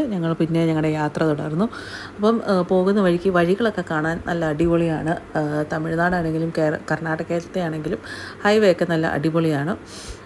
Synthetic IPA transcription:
ɲɐŋːɐɭpinːe̞ɲɐŋːɐɽe̞jaːt̪rɐt̪uɽaːɾunːu | ɐpːɐmpo̞ːɣunːɐʋɐɻikʲːiʋɐɻiɣɐɭo̞kːe̞kaːɳaːnnʔɐlːɐːɽiboɭijaːɳɨt̪ɐmiɻnaːɽaːɳe̞ŋɡilumkekɐrɳaːʈːɐkːeːt̪ːɐt̪ːejaːɳe̞ŋɡilumhɐjʋejokːenɐlːɐ̰ʔɐ̰ɽiboɭijaːɳɨ

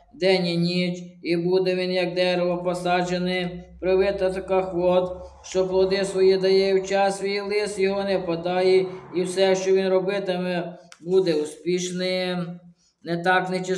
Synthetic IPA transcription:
d̪ɛnʲinʲit͡ʃibud̪ɛʋʲinjɐk̚d̪ɛɾeʋɔpɔsɑd͡ʒenɪpɾɪʋɪt̪ɐt̪ɐkɑxʋɔt̪ʃt͡ʃɔplˠɔd̪ɪsʋɔjid̪ɐjɛjuwt͡ʃɑsʋʲijilˠɪsjɔɦɔnɛwpɐd̪ɑjiiwsɛʃt͡ʃɔʋʲinɾɔbɪt̪ɪmɛbud̪ɛuspʲiʃnɪj | net̪ɑknet͡ʃɪ

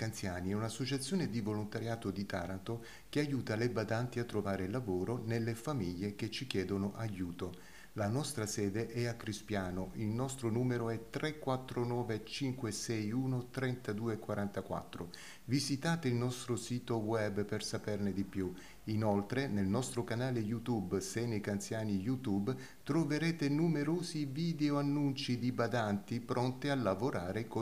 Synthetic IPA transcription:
kant̪sjaːniɛunasːot͡ʃat̪sːjoːned̪ivolont̪aɾjaːt̪od̪it̪aːɾant̪o | k̟eajuːt̪alebad̪ant̪iat̪ːɾovaːɾelːavoːɾonelːefamiʎːeket͡ʃːikjɛːd̪onoʔajuːt̪o | lanɔst̪ɾasɛːd̪eʔɛakːɾispjaːnoʔilnɔst̪ɾonuːmeɾoɛt̪ɾɛkːwat̪ːɾonɔːvet͡ʃiŋkwesɛjuːnot̪ɾɛnt̪ad̪uːekwaɾant̪akwa̰t̪ːɾo | vizit̪aːt̪eilnɔst̪ɾosiːt̪owɛbːpersapɛrned̪ipju | inolt̪ɾenelnɔst̪ɾokanaːlejut̪ubsenekant̪sjaːnijut̪ub | t̪ɾoveɾɛːt̪enumeɾoːziviːd̪eoanːunt͡ʃid̪ibad̪ant̪ipɾɔnt̪ialːavoɾʔaːɾeko

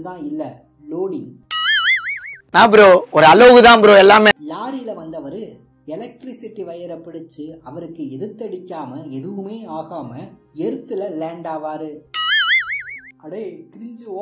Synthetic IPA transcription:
ðãːɪlːɐ | loːɽɪŋ | nãːɐp̬ɪɾoːɔɾɯɐloːɣɯðãːpɪɾoːɛlːaːmelaːɾɪjɪlɐʋɐnd̪ɐʋɐɾɯ | ɛlɐk̚ʈɾɪsɪʈːiʋɐjɐɾɐpːɪɽɪt͡ʃːɯɐʋɐɾɯkːɯɛðɯt̪ːɐɽɪkːaːmɐɛðɯʋɯmeːaːɣaːmɐeɾɯt̪ːɯlɐleːɳɖaːʋaːɾɯ | ɐɽeːk̪ɪɾɪɲd͡ʒɯoː

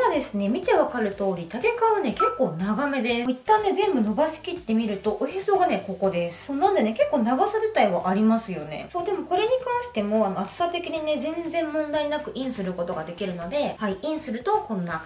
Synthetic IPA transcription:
ad̪e̞sɨne̞mʲit̪e̞βakaɾɯ̟t̪o̞ːɾʲit̪ak̪e̞kaβane̞ke̞kːo̞ːnaɡame̞d̪e̞it̪ːãnːe̞zẽ̞mbɯ̟no̞basɨ̥kʲit̪ːe̞mʲiɾɯ̟t̪o̞ʔoçeso̞ːɡane̞ko̞ko̞d̪e̞ssoːnãnd̪e̞ne̞ke̞kːo̞ːnaɡasaʑit̪aiβaʔaɾʲimasɨjo̞ne̞̰so̞ːd̪e̞mo̞ko̞ɾe̞ɲ̟ikãɰ̃ɕi̥t̪e̞mo̞ano̞at͡sɨ̥sat̪e̞kʲiɲ̟ine̞zẽ̞nd͡zẽ̞mːõnd̪ainakɯ̟ʔĩɰ̃sɨɾɯ̟ko̞t̪o̞ɡad̪e̞kʲiɾɯ̟no̞d̪e̞haiĩɰ̃sɨɾɯ̟t̪o̞kõ̞nːa

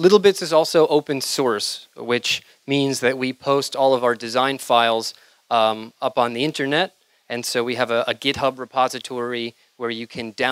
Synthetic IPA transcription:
lɪɾl̩ˠbɪtsɨzɔlˠsoʊʔoʊpɨ̃nsɔɹswɪt͡ʃ | mĩnzðɨt̚wipʰoʊstɔlˠʌvaʊə˞dɨzãɪ̃nfaɪlˠz | ʌpn̩ðiɪ̃ntə˞nɛɾ | ɨ̃nsoʊwiɨvɨəɡɪt̚hʌbɹɨpʰɑzɨtʰɔɹi | wə˞jɨkʰɨ̃ndã

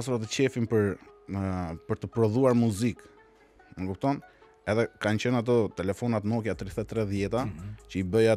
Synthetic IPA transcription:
asuɾat̪ət͡ɕɛfimpəɾ | pəɾt̪əpɾɔðuaɾmuzik | nəkup̚t̪ɔn | ɛðɛkant͡ɕənat̪̬ɔt̪ɛlɛfɔnat̪mɔkjat̪ɾiθɛt̪ːɾɛðjɛt̪at͡ɕəibəja

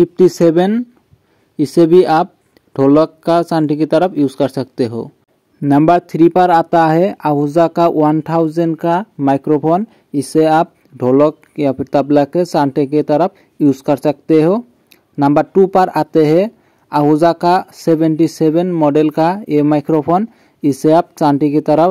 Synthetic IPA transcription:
pʰip̚ʰʈiseben | isebiʔap̚ | ɖʱɔlɔkːasanʈiket̪aɾapʰjuzkaɾsak̚t̪ɛɦo̰ | nambaɹt̪ʰɾipaɾat̪aɦɛaɦuzakawant̪ʰawzɛnkamajkɾɔpʰɔn | isɛap̚ | ɖʱɔlɔk̚ | japʰit̪ablakɛsaɳʈikɛt̪aɾap̚ʰ | juzkaɾsak̚t̪eɦo | nambaɾʈupaɾat̪ɛɦɛ | aɦuzakasebenʈisebenmɔɖelkaemajkɾɔpʰɔn | isɛap̚saɳʈiket̪aɾap

